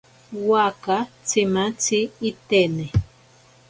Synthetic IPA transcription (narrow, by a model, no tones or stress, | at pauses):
wakat͡simat͡siːt̪ene